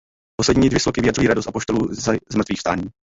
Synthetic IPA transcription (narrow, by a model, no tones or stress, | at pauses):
poslɛdɲiːdvɪslokɪvɪjadrujiːɾadost̪apo̞ʃt̪oluːzazmr̩t̪viːxfst̪aːɲiː